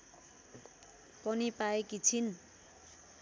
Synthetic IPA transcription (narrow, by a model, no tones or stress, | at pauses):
pʌnipaekit͡sʰin